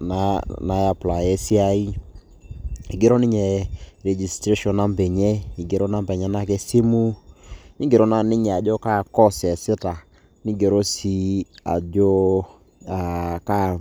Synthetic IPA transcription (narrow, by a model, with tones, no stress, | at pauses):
na˨na˨ja˨pla˨ɛ˦si˦a˦i˦ | i˨ɡe˦ɾɔ˦nɪ˦ɲɛ˨ɾɛ˨d͡ʒi˨stɾe˦ʃɔ˨na˦mbɛ˨ɲɛ˦i˨ɡe˨ɾɔ˦na˦mbɛ˨ɲɛ˦na˦˨kɛ˦si˦mu˦nɪ˦ɡe˨ɾɔ˦na˦˨nɪ˦ɲɛ˨a˨d͡ʒɔ˦ka˦˨kɔ˦sɛ˨sɪ˦ta˨ | nɪ˦ɡe˨ɾo˦si˦a̰˨d͡ʒɔ˦ | a˨ka˦